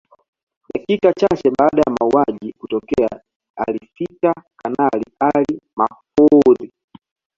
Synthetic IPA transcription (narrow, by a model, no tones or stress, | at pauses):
ɗakikat͡ʃat͡ʃɛbaːɗajamauaʄikutɔkɛa | alifitakanalialimafɔɾi